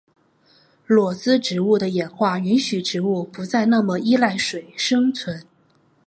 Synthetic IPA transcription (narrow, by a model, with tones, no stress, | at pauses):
lwɔ˨˩t͡sɹ̩˥ʈ͡ʂɻ̩˧˥u˥˩d̪ə˩jɛ˨˩nxwa˥˩y˧˥nɕy˨˩ʈ͡ʂɻ̩˧˥u˥˩pu˧˥t͡sa˥˧ɪna˥˩mə˨i˥la˥˩ɪʂwe˨˩ɪʂɤ˥ŋt͡sʰwə˧˥n